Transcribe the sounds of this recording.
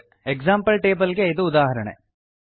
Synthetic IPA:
ekzaːmpɐlʈeːbɐlɡe̞id̪uːd̪aːɦɐɾɐɳḛ

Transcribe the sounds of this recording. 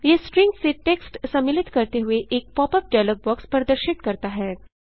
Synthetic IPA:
jesʈɾɪŋkseʈeksʈsɐmːilit̪kəɾt̪eɦueʔek̚pɔpəp̚ɖajlək̚bɔkspəɾəd̪əɾʃiʈ̪kəɾt̪aɦɛː

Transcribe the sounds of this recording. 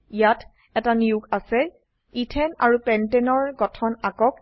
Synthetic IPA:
ijatʰ | ɛtaniʊkasɛ | itʰɛnaɹupɛntɛnɔɹɡɔtʰɔnakɔk̚

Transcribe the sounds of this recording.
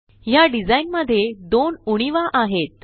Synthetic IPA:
jaɖid͡zainməd̪ʱːjed̪onuɽ̃iʋaʔaɦet̪̚

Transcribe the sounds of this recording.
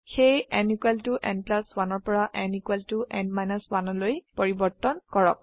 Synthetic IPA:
xejɛnikuɛltuʔɛ̃ndplaswanɔɹpɔɹaʔɛnikwɛltuʔɛ̃nmajnɔswanɔlojpɔɹibɔɹtɔnkɔɹɔ̰k̚

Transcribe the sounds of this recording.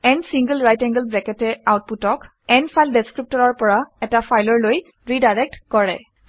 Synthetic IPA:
ɛnsiŋɡəlɹajtɛŋɡəlbɛkɛtɛawt̚putɔk | ɛnfʰajldɛskɹip̚tɔɹɔɹpɔɹaɛtafajlɔɹloj | ɹidajɹɛk̚tkɔɹɛ̰

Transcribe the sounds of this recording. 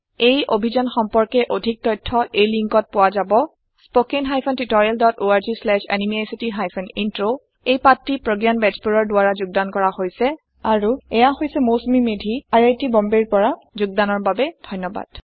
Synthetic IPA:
ejʔobʱizɔnxɔmpɔɹkɛʔodʱik̚tɔjtʰːɔʔejliŋkɔt̚pʊwazabɔ | spokenɦajpʰɔntitɔɹialdɔtoaɹzislɛʃɛ̰nimiasitiɦajpʰɔnintɹo | ejpatɹipɹoɡjanbɛd͡ʒbuɹɔɹdʊaɹazʊɡ̚dankɔɹahojsɛ | aɹuɛjaɦojsɛmosmimedʱiaɹejtibɔmbeɹpɔɹazʊɡ̚danɔɹbabɛd̥ʱɔjnːɔba̰d̥

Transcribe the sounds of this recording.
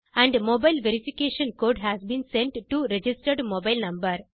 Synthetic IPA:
æ̃ɳɖmoːbaɪlʋeɾifikeːʃə̃nkoːɖɦæːzbĩːnsẽɳʈʈuɾed͡ʒisʈəɾɖmoːbaɪlnɐ̃mbəɾ

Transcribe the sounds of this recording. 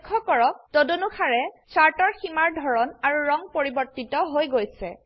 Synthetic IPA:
kʰːɔkɔɹɔk̚todonuxʰaɹɛsaɹtɔɹximaɹdʱɔɹɔnaɹuɹɔŋpoɹibɔɹtitɔɦojɡojsɛ̰

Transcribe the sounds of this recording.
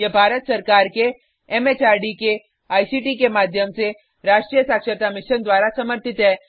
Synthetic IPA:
jebʱaːɾət̪sɐɾkaːɾke | ɛmeːt͡ʃaːɾɖike | aːjsiːʈikemaːd̪ʱjəmse | ɾaːʃʈɾijəsaːkʃəɾt̪amɪʃənd̪waːɾasɐməɾt̪ʰɪt̪ɦɛː

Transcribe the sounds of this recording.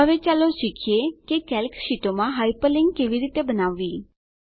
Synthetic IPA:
ɦəʋet͡ʃaloʃikʰijekekɛlkʃiʈomãɦaipəlɪ̃ŋɡ̚keʋiɾit̪ebənaʋːi

